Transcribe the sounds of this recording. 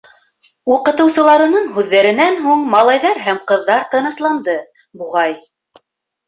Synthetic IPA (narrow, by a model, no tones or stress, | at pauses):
uqɤ̆t̪ɤ̆wsɤ̆lˠɑɾɤ̆nɤɴɦʉðːæɾɘ̆nænɦuɴmɑlˠɑjðɑɾɦæmqɤ̆ðːɑɾt̪ɤ̆nɤ̆slˠɑnd̪ɤ | buʁɑj